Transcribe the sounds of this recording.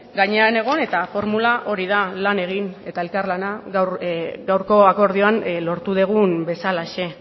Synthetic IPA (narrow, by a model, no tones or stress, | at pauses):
ɡaɲe̞ane̞ɣ̞o̞ne̞t̪afo̞ɾmulaʔo̞ɾiðalane̞ɣ̞ine̞t̪ae̞lkaɾlanaɣawɡawɾko̞ako̞ɾðioanlo̞ɾt̪uð̞eɣ̞umbe̞salaʃe̞